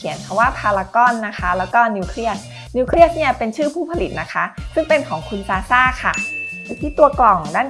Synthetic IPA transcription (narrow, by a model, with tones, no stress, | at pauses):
kʰi˩˦ənkʰa˧waː˥˩pʰaː˧laː˧kɔ˥˩nːa˦˥kʰa˦˥lɛː˦˥wkɔː˥˩niː˧wkʰɾi˥˩ət̪̚ | niː˧kʰɾi˥˩ə˩t̪̚ni˥˩pe˧nt͡ɕʰɯː˥˩pʰuː˥˩pʰa˧li˨˩t̪̚na˦˥kʰa˦˥sɯ˥˩ŋpe˧nkʰɔː˩˦ŋkʰu˧nsaː˧saː˥˩kʰa˥˩a˧˨˩t̪ʰiː˥˩t̪u˧ɐklɔ˨˩ŋdaː˥˩n